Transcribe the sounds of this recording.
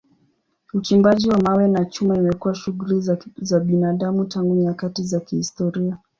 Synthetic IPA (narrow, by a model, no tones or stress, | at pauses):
ut͡ʃimbaʄiwamawɛnat͡ʃumaimɛkuwaʃuɣulizaɓinaɗamutaŋɡuɲakatizakihistɔɾia